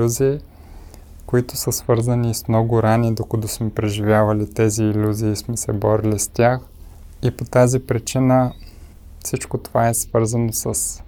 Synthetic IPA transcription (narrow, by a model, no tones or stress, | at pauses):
uziː | koit̪ʊsəsv̥ɤɾzənismnɔɡʊɾanid̪okəd̪ɔsmɛpɾɛʒivʲjavɐlit̪ɛziːlʲuziːsmɛsɛbɔɾilist̪ʲjax | ipot̪azipɾit͡ʃinə | fsit͡ʃkot̪ovaɛsvɤɾzənosəs